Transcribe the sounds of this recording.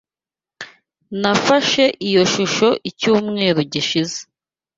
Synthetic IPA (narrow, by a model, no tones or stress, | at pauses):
nafaʃe̞ʔijo̞ʃuʃo̞ʔicuːmŋe̞ːɾuɟiʃize̥